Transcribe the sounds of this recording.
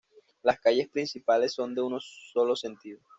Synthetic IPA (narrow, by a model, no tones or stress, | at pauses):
laskaʝe̞spɾinsipale̞sːo̞nd̪e̞unosolo̞se̞nt̪iðo